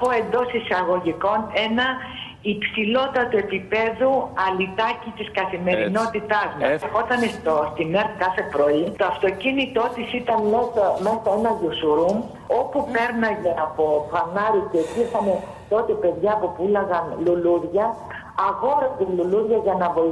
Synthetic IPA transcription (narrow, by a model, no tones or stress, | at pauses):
poe̞nd̪o̞sisɐɣo̞ʝiko̞ne̞nɐ | ipsilo̞t̪ɐt̪oe̞pipe̞ðuɐlit̪ɐcit̪iskɐθime̞ɾino̞t̪it̪ɐzmɐexo̞t̪ɐnest̪ost̪ineɾtkɐθe̞pɾo̞it̪oɐft̪o̞cinit̪o̞t̪isit̪ɐnmesɐme̞sɐe̞nɐʝusuɾum | o̞pupe̞ɾnɐɲeɐpo̞fɐnɐɾiceːt̪ixɐne̞ | t̪o̞t̪e̞pe̞ðʝɐːpopulɐɣɐnluluɾʝɐː | ɣo̞ɾezeluluɾʝɐʝɐnɐvoi